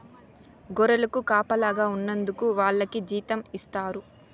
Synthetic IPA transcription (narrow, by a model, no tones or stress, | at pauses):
ɡɔɾɐlɐkukaːpɐlaːɡaːunːɐnd̪ukuʋaːɭːɐkid͡ʒiːt̪ɐmist̪aːɾu